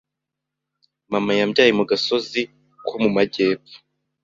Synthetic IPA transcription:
mamajamɟaːjemuɡaso̞zi | kʰomumaɟe̞ːpfu̥

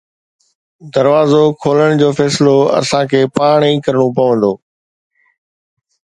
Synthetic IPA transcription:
d̪ɐɾʋaːzokʰoːləɽ̃d͡ʑoːfɛːsloɐ̰sãːkʰeːpaːɳ̃ĩːkɐɾɽ̃opɐʋə̃nd̪oː

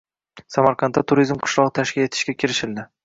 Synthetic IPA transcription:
samaɾqʰɑnt̪ːat̪ʰʊɾizmqʰʊ̥ʃlˠɒʁɨt̪ʰaʃkʲɪle̞t̪ʰɪ̥ʃkʲakʲʰɪɾɪʃɪld̪ɪ

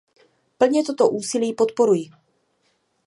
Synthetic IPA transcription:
pl̩ɲɛt̪o̞t̪o̞ʔuːsɪliːpot̪po̞ɾujɪ

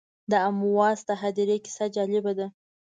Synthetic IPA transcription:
d̪əamuwɑzt̪aɦad̪ɪɾekɪ̥sad͡ʒɑlɪbad̪a

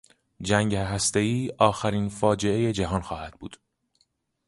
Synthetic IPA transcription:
d͡ʒæŋɟɦæst̪e̞iːʔɒːxæɾiːnfɒːd͡ʒe̞e̞je̞d͡ʒæɦɒːnxɒːhæd̪̥̚bṵːd̪̥

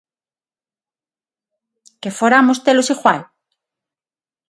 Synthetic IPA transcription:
kefoɾamost̪elosixwal

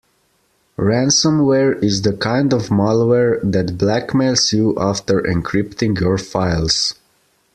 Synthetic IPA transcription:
ɹæ̃nsə̃mwɛɹɪzðəkʰãɪ̃ndɔvmalˠwɛɹðætblækmelsjuʔaftə˞ʔɛ̰̃nkʰɹɪptɪ̃ŋjɔɹfaɪlˠz̥

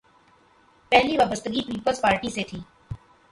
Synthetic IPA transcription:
pɛɦliʋaːbəst̪əɡipiːpəlzpaːɾʈiset̪ʰiː

